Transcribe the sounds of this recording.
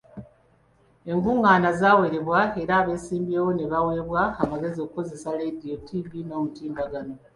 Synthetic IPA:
e̞ŋɡuŋːaːnazaːwe̞ɾe̞βwae̞ɾaːβe̞ːsiːmbjewo̞ne̞βawe̞ːβwaːmaɡe̞zio̞kuko̞ze̞saledio̞tʰivino̞ːmutiːmbaɡano̞

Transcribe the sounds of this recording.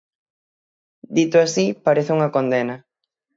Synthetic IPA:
d̪it̪oasipaɾeθeuŋɐkond̪enɐ

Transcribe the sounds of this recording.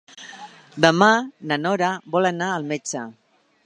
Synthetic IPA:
d̪əmanənɔɾəbɔlənaəlˠmed͡ʒə

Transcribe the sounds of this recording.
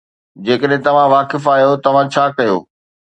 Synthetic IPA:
d͡ʑeːkəɗɦɪ̃t̪ɐʋ̤ãʋaːkɪfaːjot̪ɐʋ̤ãt͡ɕʰaːkɐjo̰ː

